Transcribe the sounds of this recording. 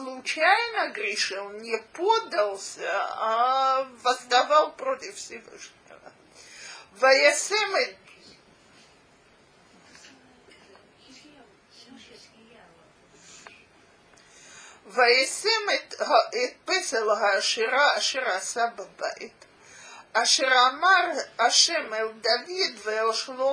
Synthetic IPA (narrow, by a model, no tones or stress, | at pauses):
slˠʊt͡ɕajnəɡɾʲɪʂɨlˠnʲɪpod̪əlˠsʲəavɐst̪avalˠpɾotʲɪffsʲɪvɨ̰ʂnʲɪ̰və̰ | vɐjasɛm | vajesemtet̪̚peselɦaːʃiɾaːʃeʁasababa̰it̪ | aʃeʁamaʁaʃemeld̪avid̪velʃlo